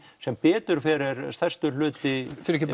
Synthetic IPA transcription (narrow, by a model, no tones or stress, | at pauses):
sɛmpɛːt̪ʏɾ̥fɛːɾɪɾsθɛ̥st̪ʏl̥ʏːt̪ɪfɪɾɛcɪ